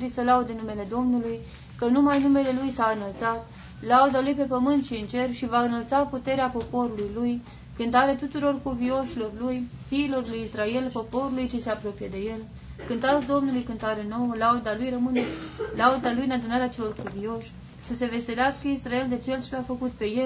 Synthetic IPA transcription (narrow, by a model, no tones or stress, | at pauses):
ɾisəlaud̪enume̞le̞d̪o̞mnuluj | kənumajnume̞le̞lujsaɨnəlt̪sat̪ | laud̪alujpe̞pəmɨnt̪ʃiːnt͡ʃe̞rʃivaɨnəlt̪saput̪e̞ɾeapo̞po̞ɾulujluj | kɨnt̪aɾet̪ut̪uɾo̞rkuvio̞ʃilo̞rluj | fiːlo̞rlujisɾae̞lpo̞po̞ɾulujt͡ʃise̞apɾo̞pijed̪e̞je̞l | kɨnt̪at̪sd̪o̞mnulujkɨnt̪aɾe̞no̞wəlaud̪alujrəmɨnelaud̪alujɨnad̪unaɾeat͡ʃe̞lo̞rkuvio̞ʃʲ | səse̞ve̞se̞leaskəisrae̞ld̪e̞t͡ʃe̞lt͡ʃelafəkut̪̚pe̞je̞l